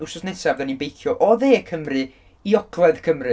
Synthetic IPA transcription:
uwsɔsnɛsavðaninbejθjɔʔɔðeːkʰəmrɨ | iɔkʰlˠɛðkʰəmrɨ

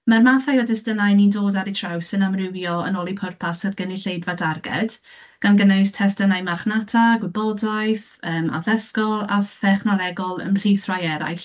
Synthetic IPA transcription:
marmaθajɔdɛstənajnindoːdaɾitʰr̥awsɨnamrɪvjɔə̰nɔlˠipʰʊrpʰasərɡəniɬejdvadarɡɛ̰d̥ | ɡ̥anɡənajstʰɛstənajmarχnatʰaɡwɪbɔdajθ | əːma̰ðəskɔlˠa̰θɛχnɔlˠɛɡɔlˠə̰nɬiθrajɛɾa̰jɬ

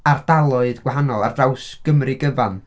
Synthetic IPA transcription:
ard̥alˠʊɨðɡ̥waɦanɔlˠa̰rdawsɡ̥əmrɪɡəvan

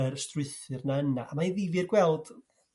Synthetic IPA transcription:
ərstrʊɨθɨrnaənaːmaiðivirɡwɛlˠd̥

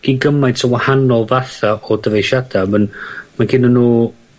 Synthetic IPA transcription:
ɡ̥inɡəmajtʰəwahanɔlˠvaθaʔɔdəvejʃad̥amənmaɡɪnənuː

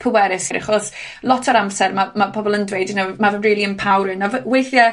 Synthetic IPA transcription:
pʰəwɛɾɪsɾɪ̰χɔs | lˠɔtʰɔɾamsɛrmamapʰɔbɔlˠəndwejdɪnamavəmriːlˠiənpʰawɾɨnavweθja

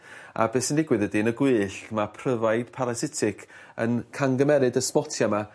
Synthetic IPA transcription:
a̰bɛsəndɪɡwɨðədinəɡwɨːɬmapʰrəvajd̥pʰaɾasɪtʰɪkʰ | ə̰nkʰaŋɡəmɛɾɨdəsmɔtʰjama

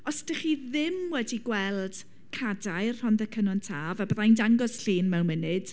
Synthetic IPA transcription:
ɔsd̥əχiːðɪmwɛdiɡwɛlˠd̥ | kʰadajr̥hɔnðəkʰənɔntʰaːvabrajndaŋɡɔsɬiːnmɛwnmɪnɨd̥

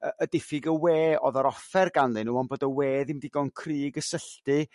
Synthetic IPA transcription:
əʔədɪfɪɡəweːɔðaɾɔfɛrɡanlˠɨnuːɔnboːdəweːðɪmdɪɡɔnkʰriːɡəsəɬtɨ

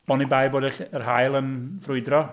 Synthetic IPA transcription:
ɔnibajboːdɛɬərɦajlˠənvrʊɨdrɔ

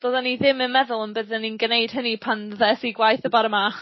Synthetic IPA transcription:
d̥oːdaniðɪmənmɛðʊlˠənbəðəninɡnejd̥ɦənipʰanðɛsiɡwajθəbaɾəmaχ

